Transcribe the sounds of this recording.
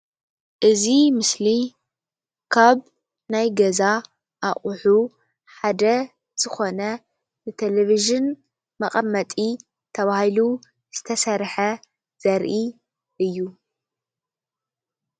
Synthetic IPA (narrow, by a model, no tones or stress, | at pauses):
ʔɨzimɨsli | kʰaβ | najɡɐza | ʔaχʼʊħu | ħad̪ɐ | z̥ɨxo̞nɐ | nɨt̪ʰeleβiʒɨn | mɐχʼɐmːɐt̪ʼi | t̪ʰɐβahilu | z̥ɨt̪ʰɐsɐɾħɐ | z̥ɐɾʔi | ʔɨjːu